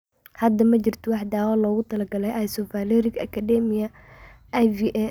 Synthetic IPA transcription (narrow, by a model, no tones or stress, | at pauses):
hɐd̪ɐmɐt͡ʃɪrt̪ʰɔwɑħd̪aːwaːlɔːɣʊt̪ʰɐlɐɡɐlɛjʔajsɔfaːlɔɾɪkɐ̰kʰad̪ɛmɪjɐ | ajviʔɛ